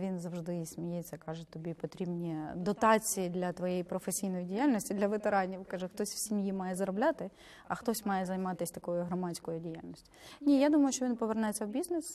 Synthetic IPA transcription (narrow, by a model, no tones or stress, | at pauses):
ʋʲinzɐwʒd̪ɪsʲmʲijɛt͡sʲːɐkɑʒɛt̪ɔbʲipɔt̪ɾʲibnʲid̪ɔt̪ɑt͡sʲijid̪lʲɐt̪ʋɔjejipɾɔfesʲijnɔjidʲijalʲnɔsʲtʲid̪lʲɐʋet̪eɾɑnʲiʋkɐʒɛxt̪ɔsʲwsʲimjimɑjɛzɐɾɔblʲat̪ɪ | ɐxt̪ɔsʲmɑjɛzɐjmɑt̪ɪsʲt̪ɐkɔjʊɦɾɔmɑt͡sʲkɔjʊdʲija̰lʲnʲɔsʲtʲi̥nʲijad̪umɐjʊʃt͡ʃɔʋʲinpɔʋernɛjet͡sʲːɐwbʲiznɛs